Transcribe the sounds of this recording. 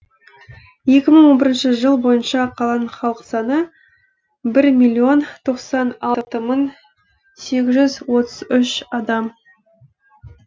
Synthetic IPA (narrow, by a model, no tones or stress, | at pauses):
je̞kʲɪməɴwo̞nbɪɾɪnʃəʒəlˠbo̞jənʃɑqʰɑlˠɑnɴχɑlˠəqəsɑnə | bɪɾmʲilʲːio̞nt̪ʰo̞qsɑnɑt̪əməɴ | se̞kʲɪzʒʏzwo̞t̪əzʏʃɑd̪ɑm